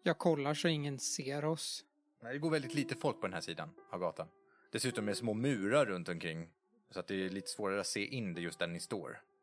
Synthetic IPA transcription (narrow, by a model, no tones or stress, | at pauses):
jɑːɡ̚kʰɔlːaʂɔɪŋːənseːɾɔs | nɛːd̪ɛɡoːɾvɛld̪ɪt̪liːt̪əfɔlk̚pʰɔd̪ɛnhæːʂiːd̪a̰navɡɑːt̪ʰan | d̪̥ɛsʉ̟ːt̪ɔmɛsmoːmʉ̟ːɾaːɵnt̪ɔmkʰɾɪŋː | sɔat̪̚d̪ɛːɭiːt̪ə̥svoːɾaɾəat̪seːʔɪnd̪ɛjɵst̪d̪æɳɪst̪o̰ːɾ